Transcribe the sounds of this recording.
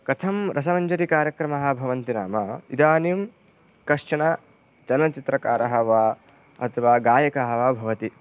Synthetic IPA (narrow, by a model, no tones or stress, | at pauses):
kɐt̪ʰɐmɾʔɐs̬ɐmɐɲd͡ʒɐɾikaːɾjɐkɾɐmɐɦɐ̆bʱɐʋɐnt̪ina̰ːmɐid̪aːnim | kɐʂɐɳɐ | t͡ʃɐlɐnɐt͡ʃit̪ɾɐkaːɾɐɦɐʋaː | ɐ̰t̪ʰɐʋaːɡaːjɐkɐɦɐʋaːbʱɐʋɐt̪i